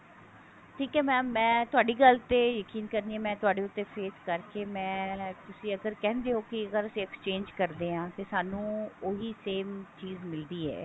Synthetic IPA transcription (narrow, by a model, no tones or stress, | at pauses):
ʈʰiːkɛːmɛ̃ːmɛ̃ːt̪ʊaːɖiːɡəlt̪eːjəkiːnkəɾniːɛːmɛ̃ːt̪ʊaːɖeːʊt̪ːeːpʰeːskəɾkeːmɛ̃ːt̪ʊsĩːəɡəɾkɛ̃ːnd̪eːɦoːkɪəɡəɾəsĩːɛkst͡ʃẽːnd͡ʒkəɾd̪eːãːt̪eːsaːnũːoːɦiːseːmt͡ʃiːzmɪld̪iːɦɛ̰ː